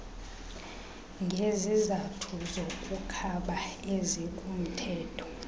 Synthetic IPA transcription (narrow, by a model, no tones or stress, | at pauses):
ŋɡʱezizatʰuzokʼukʰaɓaezikʼum̩tʰɛːtʰɔ̥